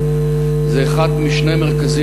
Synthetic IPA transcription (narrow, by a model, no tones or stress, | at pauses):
zɛːχad̪miʃnejmeʁkazi